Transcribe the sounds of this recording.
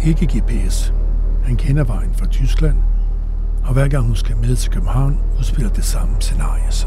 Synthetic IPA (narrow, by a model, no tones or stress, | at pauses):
e̝ɡ̥əɡ̥e̝ɐpʰees | hænkʰenɐʋɑ̈ɪ̰n̩fʁɑ̈t͡sʰysɡ̥læn̰ | ɒ̽ʋæɐ̰ɡ̥ɑ̈ŋhunsɡ̥æmeð̞ˠt͡sʰe̝lkʰøb̥m̩hɑ̈ʊ̰n | uð̞ˠsb̥e̝l̰ɐd̥esɑ̈məse̝nɑ̈ːjəs